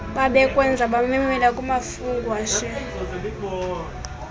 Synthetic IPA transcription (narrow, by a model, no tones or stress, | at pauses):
ɓaɓɛkʼwɛnd͡zʱaɓamiŋwɛlakʼumafuŋɡwaʃɛ